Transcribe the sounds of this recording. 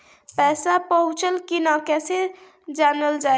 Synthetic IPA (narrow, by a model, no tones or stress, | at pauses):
pɛːsapəɦʊ̃t͡ʃəlkinakɛse | d͡ʒanəld͡ʒa